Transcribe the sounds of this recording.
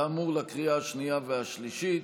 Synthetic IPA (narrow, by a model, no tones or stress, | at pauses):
muʁlakʁiaaʃnijaveaʃliʃit̪